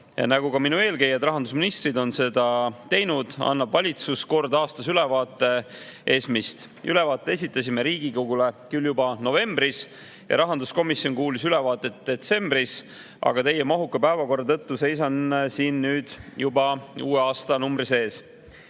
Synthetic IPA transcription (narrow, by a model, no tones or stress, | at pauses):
jɑ̰næɡukɑminue̞ːlke̞jɑd̪rɑɦɑnd̪us̬minist̪rid̪o̞nse̞d̪ɑt̪e̞jnud̪̥ɑ̰nːɑbvɑlʲit̪susko̞rd̪ɑːst̪ɑsyle̞vɑːt̪ːˑe̞ʔe̞ːsmist̪ | ylɛ̞vɑːt̪ːˑe̞es̬ʲit̪ːˑɑsʲime̞ɾiːɡ̥ikoɡule̞kyljubɑno̞ve̞mb̥ris | jɑ̰ɾɑɦɑnd̪usko̞misjo̞nkuːlisyle̞vɑːt̪ːˑe̞t̪d̪̥e̞t̪se̞mb̥ris | ʔɑ̰ɡ̥ɑt̪e̞jːemɑɦukːˑɑpæevɑko̞rːɑt̪ɤ̞t̪ːuse̞js̬ɑnsiːnːyːd̪̥jubɑuːeɑːst̪ɑnumbɾise̞ːs